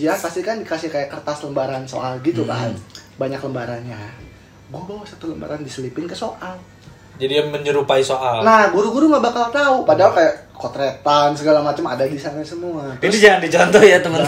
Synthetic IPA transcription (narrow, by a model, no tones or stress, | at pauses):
iapast̪ikandikasɪhkajakərt̪asləmbaɾanso̰ʔalɡit̪uka̰baɲakləmbaɾanɲa | ɡuabawasat̪uləmba̰ɾandisəlipɪnkəsoʔal | d͡ʒadijaməɲəɾupaisoʔalnahɡuɾuɡuɾuŋabakalt̪aupadaukajaʔkot̪ɾɛt̪ansəɡalamat͡ʃəma̰daɡisarɲasəmuaadid͡ʒaŋandid͡ʒant̪ɔhjat̪əmən